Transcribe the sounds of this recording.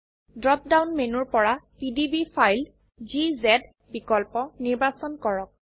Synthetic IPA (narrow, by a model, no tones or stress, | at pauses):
dɹɔp̚dawnmenuɹpɔɹapidibipʰajl | zizɛd | bikɔlpɔniɹbasɔnkɔɹɔk̚